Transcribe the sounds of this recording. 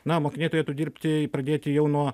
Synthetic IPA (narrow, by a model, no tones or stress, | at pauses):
nɐmoːkʲɪnʲeɪt̪oɾjeːt̪ʊd̪ʲiːrʲpʲt̪ʲɪpɾɐd̪ʲeːt̪ʲɪjɛʊnuɔ